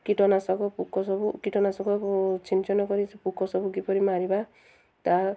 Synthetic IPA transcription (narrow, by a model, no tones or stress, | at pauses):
kiʈɔnasɔkɔpukʰɔsɔbukiʈɔnasɔkɔt͡ʃʰint͡ʃɔnɔkɔɾipukɔsɔbukipɔɾimaɾiba | t̪a